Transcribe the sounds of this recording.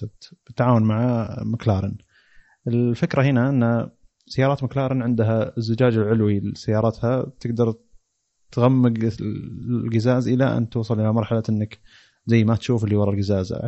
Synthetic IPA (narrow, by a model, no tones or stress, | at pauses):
b̥ɪt̪ːaʕaːwʊnmaʕamaklɑːɾˤɪn | ʔɪlfɪkɾahɪnaʔɪnːa | sajːɑːɾˤɑːt̪maklɑːɾˤɪnʕɪnd̪ɦazːʊd͡ʒaːd͡ʒɪlʕʊlwilsːajːɑːɾˤɑt̪habt̪ʰɪɡd̪ɑɾˤ | t̪ɣamːɪɡ | lɡazaːzʔɪlaʔa̰nt̪uːsˤɨlʔɪlamɑɾˤħalaʔɪnːak | zajːmat̪ʃuːfɪlːiwɑɾˤɑlɡɪzaːza̰